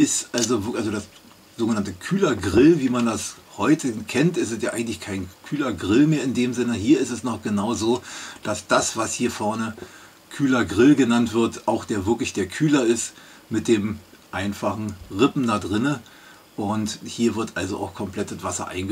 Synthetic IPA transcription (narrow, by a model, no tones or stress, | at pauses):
ʔɪstʔalzovɪʔalzodas | z̥oːɡənantəkʰyːlɐɡʁɪlviːmandas | hɔʏtʰəkʰɛntʔɪstɛstjaːʔaɪɡŋ̩tlɪçkʰaɪnkʰyːlɐɡʁɪlmeːɐɪndeːmzɪnəhiːɐɪstɛsnɔχɡ̥ənaʊzoːd̥asd̥asv̥ashiːɐfɛɐnə | kʰyːlɐɡʁɪlɡənantv̥ɪɐtʔaʊxd̥eːɐvɪɐklɪçd̥eːɐkʰyːlɐɪst | mɪt̚d̥eːmʔaɪnfaχn̩ʁɪpm̩dadʁɪnə | ʔʊnthiːɐvɪɐtʔalzoʔa̰ʊxkʰɔmpl̥ɛt̚d̥atv̥asɐ̰ʔa̰ɪnɡə